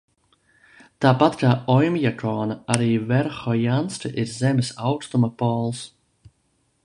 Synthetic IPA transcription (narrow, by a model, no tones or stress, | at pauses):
t̪aːpat̪kaːɔjmjakʰɔːnaɾiːvɛɾxɔjanstəʔɪɾzɛmsawtt̪ɔməpɔːlˠs